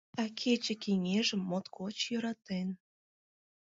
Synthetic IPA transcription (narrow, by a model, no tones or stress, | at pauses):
ɑkʰet͡ɕə̆keŋeʒəmːot̪kot͡ɕjøɾɑt̪en